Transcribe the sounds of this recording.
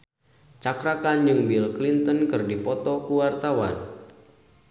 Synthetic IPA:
t͡ʃakɾakand͡ʒɨŋbilklint̪ənkɨrdipɔt̪ɔkuwart̪awa̰n

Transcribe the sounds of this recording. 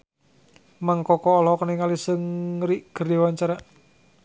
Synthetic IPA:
maŋkɔkɔːlɔkəniŋalisəŋriʔɡ̥ərdewaɲt͡ʃaɾa

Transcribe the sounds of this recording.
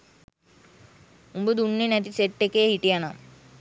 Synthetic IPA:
umbəd̪uɳːinɐt̪iseʈːekːeːɦiʈijana̰m

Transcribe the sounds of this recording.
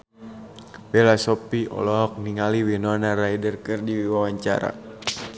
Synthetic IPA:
bɛlasɔpiʔɔ̰lɔɦɔk̚niŋaliwinɔnaraidərkɨrdiwiwawaɲt͡ʃa̰ɾa̰

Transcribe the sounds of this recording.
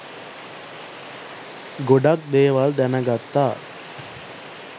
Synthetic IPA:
ɡoɖak̚d̪eːʋald̪ænəɡat̪ːaː

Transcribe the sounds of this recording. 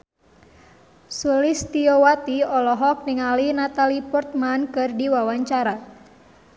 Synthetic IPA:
sulist̪iowat̪iɔlɔɦɔk̚niŋalinat̪alipɔrt̪̚mankɨrdiwawaɲt͡ʃaɾa

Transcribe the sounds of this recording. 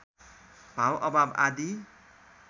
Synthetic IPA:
b̥ʱawʔʌbaba̰d̪i

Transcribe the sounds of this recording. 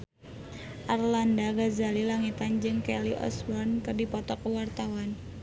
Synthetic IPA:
ʔarlandaɡazalilaŋit̪and͡ʒɨŋkeliʔɔ̰smɔnkɨrdipɔt̪ɔkəwart̪awan

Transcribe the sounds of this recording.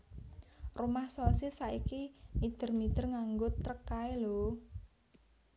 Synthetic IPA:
rumahsosisaikimid̪̥ə̤rmid̪̥ərŋaŋɡʊt̪ːəkaelo

